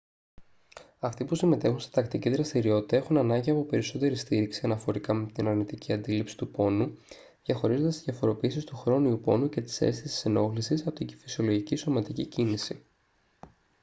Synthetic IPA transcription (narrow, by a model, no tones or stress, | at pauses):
ɐft̪ipusime̞t̪e̞xunst̪i̥t̪ɐkt̪iciðɾɐst̪iɾio̞t̪i̥t̪ɐe̞xunɐnɐɲɟiɐpo̞pe̞ɾiso̞t̪e̞ɾist̪iɾiksiɐnɐfo̞ɾikɐmet̪inɐɾnit̪iciɐnd̪ilipsi̥t̪upo̞nu | ðjɐxo̞ɾizo̞nd̪est̪izʝjɐfo̞ɾo̞piːsist̪uxɾo̞niupo̞̰nuce̞t̪i̥se̞̰sθisi̥seno̞ɣlisisɐpot̪icfisio̞lo̞ʝiciso̞mɐt̪icicinisi